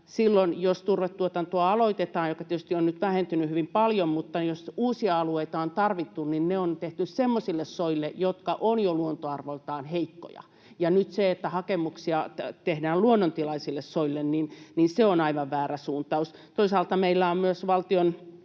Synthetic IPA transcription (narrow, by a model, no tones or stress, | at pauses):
silːonjost̪urʋet̪tuot̪ɑnt̪uɑɑloit̪et̪ɑːnjokːɑt̪iet̪yst̪ionnyt̪ʋæhent̪ynyhyʋimpɑljommut̪ːɑjosuːsiɑɑlueit̪ɑont̪ɑrʋit̪ːunninneont̪eht̪yssemːosilːessoilːejot̪kɑʔonjoluont̪oɑrʋoilt̪ɑːnheikːo̰jɑ̰ | jɑnyt̪seet̪ːæhɑkemuksiɑt̪ehdæːluonːont̪ilɑisilːessoilːenninninseonɑiʋɑʋʋæːræsuːnt̪ɑust̪oisɑːlt̪ɑmeilːæommyøsʋɑlt̪ion